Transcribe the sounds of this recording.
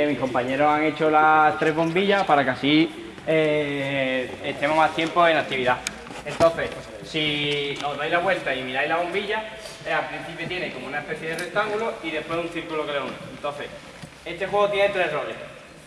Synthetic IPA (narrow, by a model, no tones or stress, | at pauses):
mihko̞mpaɲe̞ɾoɦaŋe̞t͡ʃo̞lat̪ɾe̞zβo̞mbiʝapaɾakeasi | e | et̪e̞moɦmaht̪je̞mpo̞e̞nakt̪iβiða | e̞nt̪õ̞n̟θe̞s | sino̞ɦðajlaβwe̞lt̪aimiɾajlaβ̞o̞mbiʎaalpɾin̟θipjot̪je̞nekomounaepe̞θjeðe̞ret̪aŋɡuloiðe̞pwe̞sun̟θiɾkulokeleuneent̪õ̞n̟θe̞s | e̞st̪e̞xwe̞ɣ̞ot̪jenet̪ɾe̞ɦro̞ʎe